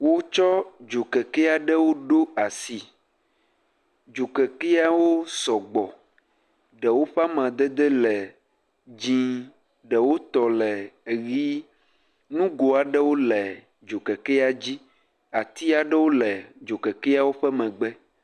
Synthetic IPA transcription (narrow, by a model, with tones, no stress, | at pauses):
wo˦t͡ʃɔ˦d͡ʒo˨kɛ˨kɛ˦a˨ɖɛ˦wo˦ɖo˦a˨si˨ | d͡ʒo˨kɛ˨kɛ˦a˦wo˦sɔ˨ɡ͡bɔ˨ | ɖɛ˨wo˦ɸa˦mã˨d̪ɛ˦d̪ɛ˦lɛ˨ | d͡ʑĩ˦ | ɖɛ˨wo˦t̪ɔ˨lɛ˨ɣi˦ | nũ˦ɡo˨a˨ɖɛ˦wo˦lɛ˨ | d͡ʒo˨kɛ˨kɛ˦a˨d͡ʑi˦ | a˨t̪i˦a˨ɖɛ˦wo˦lɛ˨d͡ʒo˨kɛ˨kɛ˦a˦wo˦ɸɛ˦mɛ̃˨ɡ͡bɛ˦